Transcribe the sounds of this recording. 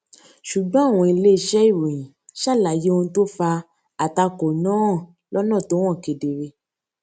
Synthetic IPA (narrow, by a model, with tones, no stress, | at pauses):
ʃu˨ɡ͡bɔ̃˨˦a˦˨w̃ɔ̃˧i˧le˦i˦˨ʃɛ˦i˦˨ɾõ˨ĩ˨ | ʃa˦˨la˨je˦õ˧˦to˦fa˧ | a˨ta˧ko˨nã˦˨ | lɔ˦nã˦˨to˨˦w̃ɔ̃˦˨ke˨de˨ɾe˧